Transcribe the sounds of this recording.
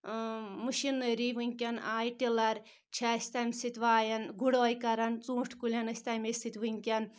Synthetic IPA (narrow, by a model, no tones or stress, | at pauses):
muʃinːɐɾiʋɨŋʲkʲɐnaːjʈilɐɾ | t͡ʃʰasʲt̪ɐmʲsit̪ʲʋaːjɐnɡuɽoːjkɐɾɐnt͡sũːʈʰkulʲɐnɐsʲt̪ɐmʲesit̪ʲʋɨŋʲkʲɐn